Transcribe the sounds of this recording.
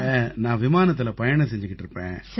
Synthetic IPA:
nãːʋɪmaːnɐt̪ːɪlɐpɐjɐɳɐsɛɲd͡ʒɪkːɪʈːɪɾɯpːḛ̃ː

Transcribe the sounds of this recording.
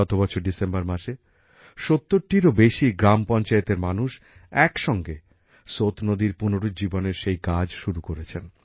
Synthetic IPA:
ɔt̪obɔt͡ɕʰoɾɖisembaɾmaʃe | ʃot̪ːoɾʈiɾobeʃiɡɾampɔnt͡ɕaet̪eɾmanuʃ | ɛkʃɔŋɡe | sot̪nod̪iɾpunoɾod͡ʑiboneɾʃejkad͡ʑʃuɾukoɾet͡ɕʰen

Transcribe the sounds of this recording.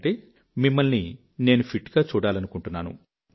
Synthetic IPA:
ʈe | mimːɐlni | neːnupʰiʈɡaːt͡ʃuːɽaːlɐnukuɳʈunːaːnṵ

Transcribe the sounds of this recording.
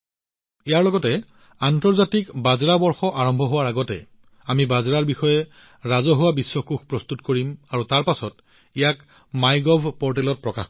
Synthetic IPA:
ijaɹlɔɡɔtɛ | antɔɹzatikbazɹabɔɹxɔʔaɹɔmbʱɔɦʊwaɹaɡɔtɛ̰ | amibazɹaɹbixɔjɛ | ɹazɔɦʊwabisːɔkuxpɹɔstutkoɹimaɹutaɹpasɔt | ijak | majɡɔbʱpɔɹt̬ɛlɔt̚pɹɔkax

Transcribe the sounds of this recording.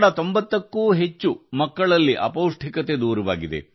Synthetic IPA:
ɽɐt̪o̞mbɐt̪ːɐkːuːɦe̞t͡ʃːumɐkːɐɭɐlːiʔɐ̰pɐːwʂʈʰikɐt̪ed̪uːɾɐʋa̰ːɡid̪e̞̰

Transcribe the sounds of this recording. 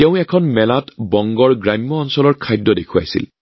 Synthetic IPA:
teʊ̃ɛkʰɔnmɛlatbɔŋɡɔɹɡɹamjɔːnsɔlɔɹkʰajdːɔdekʰua̰jsḭl

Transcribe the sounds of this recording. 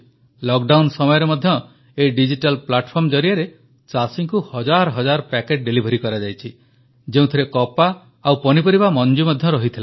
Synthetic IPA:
lɔk̚ɖawnsɔmɔjɔɾemɔd̪ʱjɔ | eɖid͡ʒiʈalplaʈpʰɔɾmd͡ʒɔɾiaɾe | t͡ʃasiŋkuhɔd͡ʒaɾɔɦɔd͡ʒaɾɔpɛkeʈ̚ɖelibʱɔɾikɔɾad͡ʒajt͡ʃʰi | d͡ʒeũt̪ʰiɾekɔpaː | wpɔnipɔɾibamɔnd͡ʒumɔd̪ʱjɔɾɔɦit̪ʰila

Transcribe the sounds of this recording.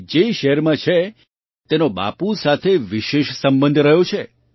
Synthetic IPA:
d͡ʒeʃeɦəɾmãt͡ʃʰe | t̪enoba̰pusat̪ʰeʋiʃeʃsəmbənd̪ʱɾəɦjõt͡ʃʰe

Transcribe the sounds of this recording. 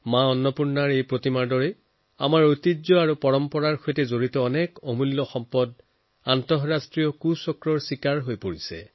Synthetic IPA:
mãɔnːɔpuɹnaɹejpɹotimaɹdɔɹɛ | a̰maɹotizɔaɹupɔɹɔmpɔɹaɹkʰojtɛzoɹitɔːnɛkɔmulːɔxɔmpɔd | antɔɦɹastɹijɔkusɔkɹɔɹsikaɹɦojpoɹisɛ̰

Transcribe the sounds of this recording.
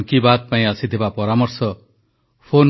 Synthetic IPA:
ŋkibad̪̚paĩʌsit̪ʰebapɔɾamʌrsʌ | pʰon

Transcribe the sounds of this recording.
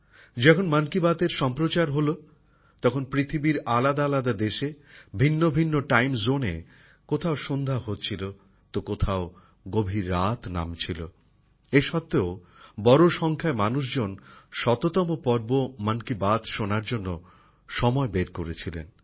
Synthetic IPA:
d͡ʑɛkʰonmankibat̪eɾʃɔmpɾot͡ɕaɾɦolo | t̪ɔkʰonpɾit̪ʰibiɾalad̪aalad̪ad̪eʃebʱinːobʱinːoʈajmzonḛ | kot̪ʰaoʃond̪ʱaɦot̪ːt͡ɕʰilo | t̪okot̪ʰao | ɡobʱiɾːat̪na̰mt͡ɕʰilo̰ | eʃɔt̪ːeo | bɔɾoʃɔŋkʰaemanuʃ̬d͡ʑonʃɔt̪ot̪ɔmopɔɾbomankibat̪ʃonaɾd͡ʑonːo | ʃɔmɔebeɾkoɾet͡ɕʰilḛn

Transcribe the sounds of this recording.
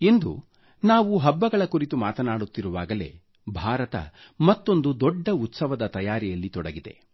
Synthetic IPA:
end̪ṵ | naːʋuɦɐbːɐɡɐɭɐkuɾit̪umaːt̪ɐnaːɽut̪ːiɾuʋaːɡɐle̞̰ː | bʱaːɾɐt̪ɐ̰ | mɐt̪ːo̞nd̪ud̪ɔɖːɐut̪sɐʋɐd̪ɐt̪ɐjaːɾijɐlːit̪ɔɽɐɡid̪e̞̰

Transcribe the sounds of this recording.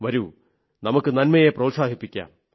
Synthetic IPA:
ʋɐɾu | nɐmukːɨnɐnmɐjeprɐːt̪saːɦipːikʲːa̰ːm

